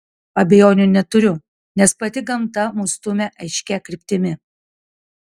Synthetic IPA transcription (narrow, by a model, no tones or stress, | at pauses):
ɐbʲɛjoːnʲʊnʲɛt̪ʊɾʲʊ | nʲɛspɐt̪ʲɪɡɐmt̪ɐmʊst̪ʊmʲɛʔɐɪʃʲkʲɛkɾʲɪpʲt̪ʲɪmʲɪ